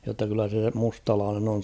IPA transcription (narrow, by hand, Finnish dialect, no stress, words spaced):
jotːɑ kylːæ se mustɑlɑːnen on